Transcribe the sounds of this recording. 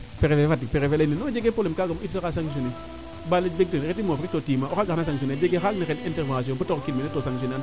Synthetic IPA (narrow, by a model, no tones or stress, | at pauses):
peɾefefatːipeɾefelaininod͡ʒeɡepolemkaɡamitsakasaŋs̬one | balebek̚tonɾetimofɾitotimaoaɡanas̬aŋs̬oned͡ʒeɡexaknixeninteɾvaasiõbutokinminetosaŋs̬onan